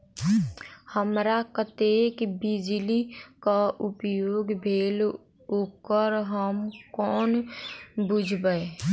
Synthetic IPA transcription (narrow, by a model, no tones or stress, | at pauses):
həmɾakət̪eːkbɪd͡ʒlikaʔʊpjoːɡbʱeːl | okəɾɦəmkɔːn | bʊd͡ʒʱbəe